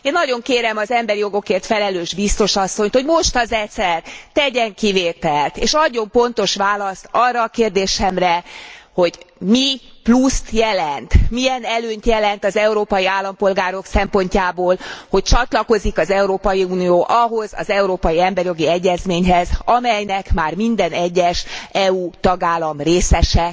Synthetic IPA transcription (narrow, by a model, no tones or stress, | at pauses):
eːnːɒɟo̞ŋkeːɾɛmɒzɛmbɛɾijo̞ɡo̞keːrt̪fɛlɛløːʒbist̪o̞ʃɒsːo̞ɲt̪ho̞ɟmo̞ʃt̪ɒzɛt̪sɛrt̪ɛɟɛŋkiveːt̪ɛlt̪eːʃɒɟːo̞mpo̞nt̪o̞ʃʋaːlɒst̪ɒrːɒːkeːrd̪eːʃɛmrɛho̞ɟmiplust̪jɛlɛnt̪mijɛnɛløːɲt̪jɛlɛnt̪ɒzɛuɾoːpɒjiaːlːɒmpo̞lɡaːɾo̞ksɛmpo̞ɲcaːboːlho̞c̚t͡ʃɒt̪lɒko̞zikɒzɛuɾoːpɒjiuːnioːʔɒɦo̞zɒ̰zɛuɾoːpɒjiɛmbɛrjo̞ɡiɛɟːɛzmeːɲɦɛzɒmɛjnɛkmaːrmind̪ɛnɛɟːɛʃɛut̪ɒɡaːlːɒmreːsɛʃɛ